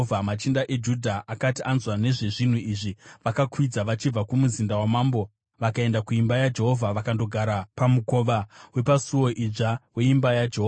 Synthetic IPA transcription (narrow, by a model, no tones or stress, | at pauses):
vʱamat͡ʃindaʔe̞d͡ʒudʱaʔakatiʔanzwane̞ʐe̞ʐin̤uiʐiʋakakwid͡zaʋat͡ʃib͡vakumuzindawamaːmbo̞ | ʋakae̞ndakuimbajad͡ʒe̞ɦo̞vʱaʋakando̞ɡʱaɾapamukoʋawe̞pasuwo̞ʔid͡ʐawe̞imbajad͡ʒeɦoa